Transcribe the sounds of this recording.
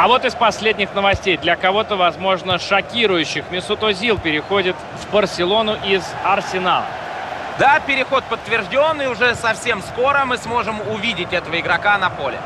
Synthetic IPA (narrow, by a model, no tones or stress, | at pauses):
ɐvo̞t̪ɨspɐsʲlʲedʲnʲɪxnəvɐsʲtʲejd̪lʲəkɐvo̞t̪əvɐzmo̞ʐnəʂɐkʲiɾʊjʉɕːɪxmʲɪsʊt̪ozʲilˠpʲɪɾʲɪxo̞dʲɪt̪ | vbərsʲɪlˠo̞nʊʔɪzɐrsʲɪna̰lˠə̰ | d̪apʲɪɾʲɪxo̞t̪̚pət̪ːvʲɪrʐdʲo̞nːɨjʊʐɛsɐfsʲe̞msko̞ɾəmɨsmo̞ʐɨmʊvʲidʲɪtʲɛt̪əvəɪɡɾɐkanɐpo̞lʲɪ̰